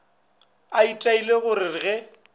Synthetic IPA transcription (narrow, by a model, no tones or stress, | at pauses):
aitʼaileɣʊɾɪrɪɣɛ